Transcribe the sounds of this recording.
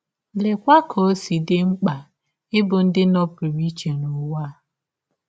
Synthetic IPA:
le˨kʷa˦kʰo˨˦si˨dɪ˦ŋ͡m̩˦k͡pa˨ | ɪ˦bʊ˨n̩˦dɪ˦nɔ˦pi˨ɾi˦t͡ʃe˨nʊ˨˦wa˦˨

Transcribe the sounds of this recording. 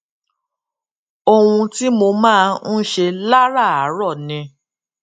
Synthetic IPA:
o˧wũ˧ti˦mo˧mãː˦˧n̩˦ʃe˧la˦ɾa˦˨a˨˦ɾɔ˦˨nĩ˨˧

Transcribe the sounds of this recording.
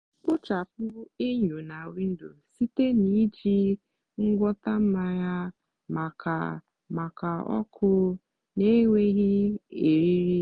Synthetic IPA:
k͡pʊ˦t͡ʃa˨p̚ʊ˦ɾʊ˦e˦ɲo˨na˨wi˦n̩˦do˨si˦te˦ni˦d͡ʒi˦ | ŋ̩˦ɡʷɔ˦ta˦m̩˦ma˦ja˦ | ma˨kʰa̰˨ | ma˨ka˨ɔ̰˦kʰʊ˦ | ne˦ŋʷe˦ɣi˦e˨ɾi˦ɾi˦

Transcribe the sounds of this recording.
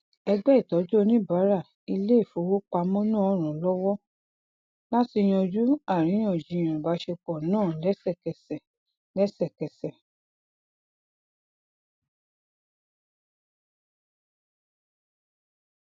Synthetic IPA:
ɛ˧ɡ͡bɛ˦i˦˨tɔ˨˦d͡ʒo˦˧nĩ˦ba˨˦ɾa˦˨ | i˧le˦˨fo˨˦wo˦k͡pa˧mɔ̃˦nãː˦˨ɔ˨˦ɾ̃ũ˨lɔ˦wɔ˦ | la˦ti˧j̃ɔ̃˧d͡ʒu˦a˦˨ɾ̃ĩ˨˦j̃ɔ̃˨d͡ʒi˨˧˨j̃ɔ̃˨ba˨˦ʃe˧k͡pɔ˨nãː˦˨lɛ˦sɛ˦˨kɛ˨sɛ˨ | lɛ˦sɛ˦˨kɛ˨sɛ˨

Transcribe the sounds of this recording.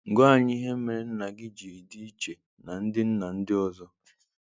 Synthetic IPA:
ŋ̩˨ɡɔ˦a˨ɲɪ˦i˦ɦe˦me˨ɾe˨n̩˦na˨ɡɪ˦d͡ʒi˨ɾi˨di˦i˦t͡ʃe˨ | na˨n̩˦dɪ˦n̩˦na˨n̩˦dɪ˦ɔ˦zɔ˦

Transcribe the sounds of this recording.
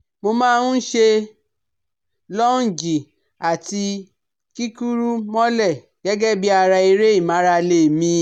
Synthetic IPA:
mo˧mãː˦˧˦ʃe˧ | lɔ˦n̩˨d͡ʒi˨ | a˨ti˧ | ki˦ku˦ɾu˦mɔ̃˦lɛ˦˨ | ɡ̥ɛ˦ɡɛ˦bi˦a˧ɾa˧i˧ɾe˦i˦˨mã˨˦ɾa˧le˦˨mĩ˧

